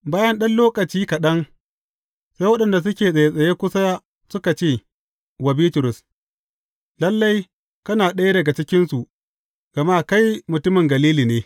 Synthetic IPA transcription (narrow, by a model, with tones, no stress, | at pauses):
baː˦jɐ˦nɗɐ˦nloː˦kʼɐ˨t͡ʃiː˦ka˨ɗɐ˦ŋ | sa˦jwɐ˦ɗɐ˨nda˨s̬ʊ˦kʲeː˨sʼɐ˨ja˨sʼɐ˨jeː˦kʷʊ˦sa˦ | sʊ˦ka˨t͡ʃeː˦˨ | wa˨biː˦tʊ˨ɾʊ˨s | lɐ˦lːa˦j | kɐ˦naː˨ɗɐ˦ja˦dɐ˨ɡa˨t͡ʃɪ˦kʲɪ˦nsu˨ | ɡ̥ɐ˨maː˦˨ka˦jmʊ˨tʊ˦mɪ˨ŋɡɐ˨liː˦liː˨neː˦